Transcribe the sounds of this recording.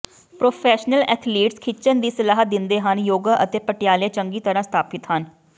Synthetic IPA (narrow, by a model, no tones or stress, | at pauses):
pɾoːpʰɛːʃnəlɛ̰ːt̪ʰliːʈskʰɪt͡ʃənd̪iːsəlaːɦət̪̚d̪ɪnd̪eːɦənjoːɡaːʔət̪eːpəʈɪjaːleːt͡ʃəŋɡiːt̪əɾãːst̪ʰaːpɪt̪ɦən